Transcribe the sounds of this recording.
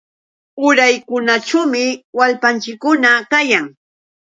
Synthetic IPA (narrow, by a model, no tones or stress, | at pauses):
ʊɾajkʊnaʈ͡ʂamɪwalpant͡ʃɪkːʊnakajaŋ